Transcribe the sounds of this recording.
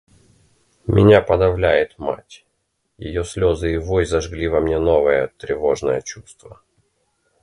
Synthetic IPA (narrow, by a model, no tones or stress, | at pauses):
mʲʔɪ̰nʲapɐd̪ɐvlʲæjɪt̪ma̰tʲ | jɪ̰josʲlʲo̞zɨɪvojzɐʐɡlʲivɐmnʲenovəjət̪ɾʲɪvo̞ʐnəjət͡ɕust̪və